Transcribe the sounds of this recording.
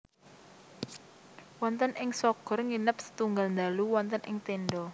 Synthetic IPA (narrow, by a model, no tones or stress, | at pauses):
wɔnt̪ənʔɪŋsɔɡ̥ɔ̤rŋinəp̚sə̥t̪uŋɡalnd̪aluwɔnt̪ənʔɪŋt̪enɖɔ